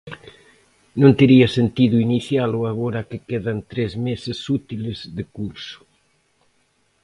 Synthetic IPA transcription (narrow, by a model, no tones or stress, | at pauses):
nõnt̪eɾiɐsent̪iðuiniθjalʊaɣoɾakekeðant̪ɾezmesesut̪ilezðekuɾsʊ̥